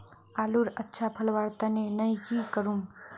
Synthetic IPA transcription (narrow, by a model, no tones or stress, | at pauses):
aːluɾɐtːʃʰapʰəlʋaːɾt̪anenɐikikəɾũ